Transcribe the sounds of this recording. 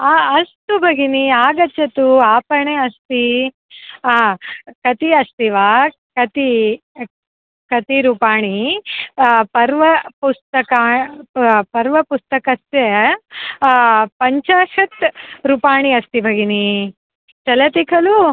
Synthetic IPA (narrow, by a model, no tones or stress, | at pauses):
aɐst̪ubʱɐɡiniaːɡɐt͡ʃːɐt̪uaːpɐɳeɐst̪i | kɐt̪iɐst̪iʋa | kɐt̪i | kɐt̪iɾupaːɳi | pɐɾʋɐpust̪ɐkaː | pɐɾʋɐpust̪ɐkɐst̪je | pɐɲt͡ʃaːʂɐt̪ɾupaːɳiɐst̪ibʱɐɡini | t͡ʃɐlɐt̪ikʰɐlu